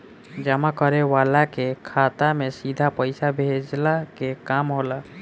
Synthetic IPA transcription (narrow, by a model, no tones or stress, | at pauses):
d͡ʒəmakəɾeʋalakekʰat̪amesid̪ʱapəɪsabʱed͡ʒlakekamɦola